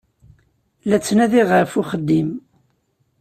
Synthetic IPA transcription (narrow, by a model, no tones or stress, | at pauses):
læt͡sːnæðiʁəɾfuχəd̪ːim